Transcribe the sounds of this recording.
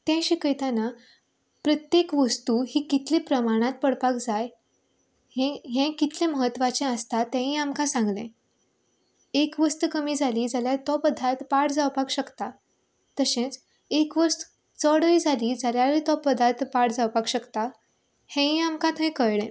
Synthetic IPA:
t̪ɛ̃ɕikəjt̪ana | pɾət̪jekʋəst̪uɦikit̪lẽpɾəmaɽ̃ãt̪̚pəɽpakd͡zaj | ẽɦɛ̃kit̪ʰlẽməɦət̪ːʋat͡ɕẽəst̪at̪ːɛ̃ɦĩamkãsãŋɡlẽ | ekʋəst̪ukəmiːd͡zʱaliːd͡zaljat̪ɔpəd̪ʱat̪paʈd͡zawpakɕəkt̪a | t̪əsẽt͡s | ekʋəst̪u̥ | t͡sɔɽəid͡zʱaliːd͡zaljaɾit̪ɔpəd̪ʱat̪paʈd͡zawpakɕəkt̪a | hɛ̃ɦĩamkãt̪ɦɛ̃kəjɽẽ

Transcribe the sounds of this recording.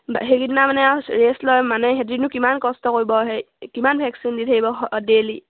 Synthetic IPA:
bɦekitnamanɛɹeslɔjmanɛɦetɹinʊkimankɔstɔkoɹibɔɦɛ | kimanbʱɛksinditʰakibɔdeli

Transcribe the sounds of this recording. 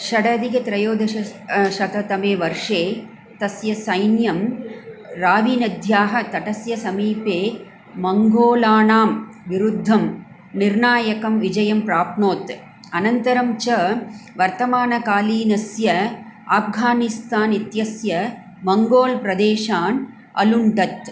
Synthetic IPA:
ʃɐɽɐd̪ikɐt̪ɾɐjoːd̪ʱɐɐʃɐt̪ɐt̪ɐmeːʋɐɾʂeː | t̪ɐsjɐsɐjnjɐm | ɾaːʋiːnɐd̪ʱjaːɦɐt̪ɐʈɐsjɐsɐmiːpeː | mɐŋɡoːlaːnaːmʋiɾud̪ʱːɐm | niɾɳaːjɐkɐmʋid͡ʒɐjɐmpɾaːp̚noːt̪ | ɐnɐnt̪ɐɾɐmt͡ʃɐʋɐɾt̪ɐmaːnɐkaːliːnɐsjɐaːpɡʱaːnist̪aːnit̪jɐsjɐ | mɐŋɡoːlpɾɐd̪eːʂaːn | ɐ̰luɳɖɐt̪

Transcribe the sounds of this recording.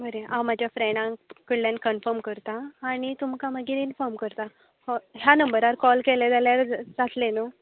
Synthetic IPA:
bəɾeãwmad͡ʑʱjafɾeɳɖãkəɽljankənfəɾmkəɾt̪aːɽ̃it̪umkaməɡiːɾinfɔɾmkəɾt̪a | hɔɦjanəmbəɾaɾkɔlkeled͡zaljaɾd͡zat̪lenə

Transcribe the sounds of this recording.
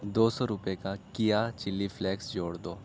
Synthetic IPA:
d̪osɔɾupekakijat͡ɕilːiflɛksd͡ʑoɽt̪o

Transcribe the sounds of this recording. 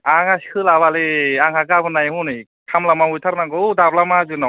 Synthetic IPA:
aŋaskʰɯlabaleaŋhaɡabʰɯnajhunɯj | kʰamlamahujtʰaɾnaɡɔudablamazɯnɔ

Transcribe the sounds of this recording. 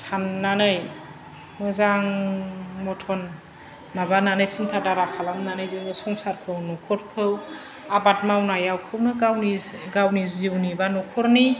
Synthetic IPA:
sʰanːanɯj | mɯzaŋ | mɔtʰɔnː | abananɯjsintʰadaɾakʰalamnanɯjziwnɯsɔŋsaɾkʰɯwnɔkʰɔɾkʰɯw | abat̚mawnajawkʰɯwnɯɡawniɡawniziwnibanɔkʰɔɾni

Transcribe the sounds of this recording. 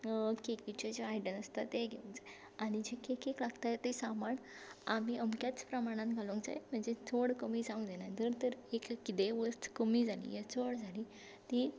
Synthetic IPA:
kekit͡ɕed͡ʑaajɖənəst̪at̪eɡʱeʋũŋkd͡zaje | aɽ̃id͡ʑekekeklaɡt̪ajet̪esamaɳamiʔəmkjat͡spɾəmaɽ̃ãnt̪ɡʱalũkd͡za̰jem̤əɳd͡zet͡sʰoɽkəmid͡zaũŋd̪enad͡z̪əɾt̪əɾekkːit̪eʋəst̪kəmiːd͡zʱalḭjet͡sʰoɽd͡zʱali | t̪i

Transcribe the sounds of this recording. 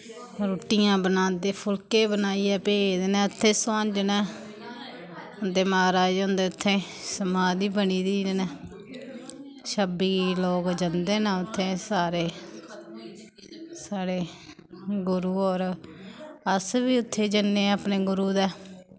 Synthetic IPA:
ɾoːʈijãːbənãːd̪eːpʰʊlkeːbənaːiːɛːpeːd̪eːnɛ̃ːʊt̪ʰːeːsãːɲd͡ʒnɛː | ʊnd̪eːmaːɾaːd͡ʒõːnd̪eːʊt̪ʰːẽː | səmaːd̪iːbəniːd̪iːnnɛː | ʃəbiːloːkd͡ʒənd̪eːnaːʊt̪ʰːeːsaːɾeː | saːɽeː | ɡʊɾuːɔːɾ | əsbiːʊt̪ʰːeːd͡ʒənːeːaːpneːɡʊɾuːd̪ɛː

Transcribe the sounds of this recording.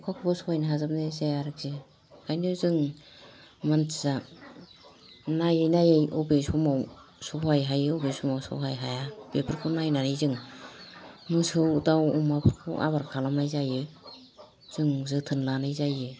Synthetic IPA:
kʰakʰubɔsɔwajnaɦazap̚nezejaɾɯk̚z̥e | kʰajnɯzɯŋ | mantʰiza | najejnajejɔbesumawsohajɦajɯobesumawsɯ̰wɦajɦajab̥epʰɯɾkʰɯnajnanɯjzɯŋ | mɯsɯwdawumapʰɯɾkʰɯ̰ʔa̰baɾkʰalamajzajɯ | z̥ɯŋzɯtʰɯnlanajzajɯ

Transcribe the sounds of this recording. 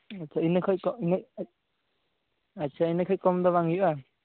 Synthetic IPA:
at͡ʃainẽkʰoikoinẽ | at͡ʃainẽkʰoikomd̪oβaŋuʔa

